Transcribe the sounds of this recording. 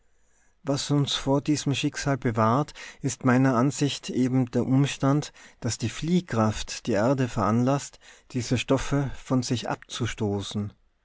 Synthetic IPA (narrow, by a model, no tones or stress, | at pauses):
vasʊnsfoːɐdiːzəmʃɪkz̥aːlbəvaːɐtʔɪstmaɪnɐʔanzɪçtʔeːbm̩deːɐʔʊmʃtantd̥asd̥iːfliːkʁ̥aftd̥iːʔɛɐdəfɛɐʔanlastd̥iːzəʃtɔfəfɔnzɪçʔa̰p̚t͡suʃtoːsn̩